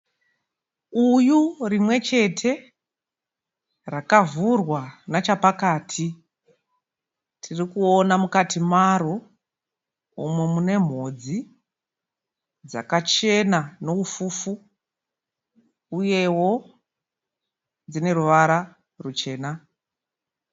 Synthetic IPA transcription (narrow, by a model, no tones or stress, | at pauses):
ujurimwe̞t͡ʃe̞tʰe̞ | rakavurwanat͡ʃapakaːtʰi | tʰirikuonamukatʰimaɾo | umwemune̞m̤o̞d͡zi | d͡za̰kat͡ʃe̞nano̞ufuːfu | uje̞wo̞ | d͡zine̞ɾuʋaɾa | rut͡ʃe̞ːna